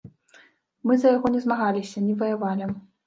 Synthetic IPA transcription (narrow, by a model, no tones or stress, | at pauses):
mɨzɐjaɣɔnʲɛzmaɣalʲisʲɐnʲɛvɐjavalʲɛm